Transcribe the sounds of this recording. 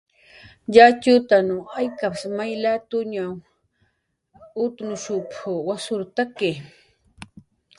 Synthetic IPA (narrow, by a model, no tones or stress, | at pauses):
jat͡ʃʊt̪anʊajkapasmajlat̪ʊɲaw | ʊt̪nʊʃʊpʊwasʊɾt̪ake